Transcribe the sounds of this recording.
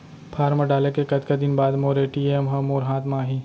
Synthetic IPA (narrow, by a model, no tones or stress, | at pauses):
pʰaːɾmɐɖaːlekekɐt̪kad̪ɪnbaːd̪moːɾeʈiːemɦɐmoːɾɦãːt̪maːɦi